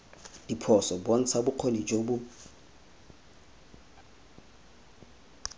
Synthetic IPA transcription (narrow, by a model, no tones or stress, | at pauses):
dipʰɔsɔbɔn̩t͡sʰabʊq͡χʰonid͡ʒʼobu